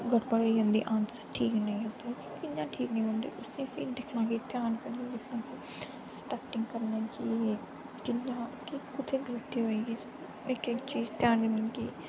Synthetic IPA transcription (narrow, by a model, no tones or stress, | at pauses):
ɡəɽbəɾoːiɦõːnd̪ḭːʔãːnsḁʈʰiːknəĩːɦət̪oki̥kɪɲjãːʈʰiːknəĩːɦõːnd̪ḭːʔʊsĩːəsĩːd̪ɪkʰnãːkiːt̪jaːnpɛ̃ĩːd̪ɪkʰnãːkiː | sʈaːʈɪ̃ŋɡkəɾnẽːd͡ʒiːeː | kɪjãːkikʊt̪ʰeːɡəlt̪iːɦoːiːɡiː | nekekt͡ʃiːzt̪jaːnimɪŋɡiː